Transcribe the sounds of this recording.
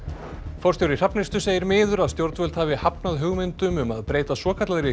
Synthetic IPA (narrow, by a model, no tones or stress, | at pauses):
fɔɾ̥t̪jowɾɪr̥apnɪst̪ʏseːjɪɾmɪːðʏɾaðst̪jowɾt̪vœlt̪havɪhapnaðɦʏɣmɪnt̪ʏmʏmaðpɾeːjt̪asɔːkʰat̪laðɾɪ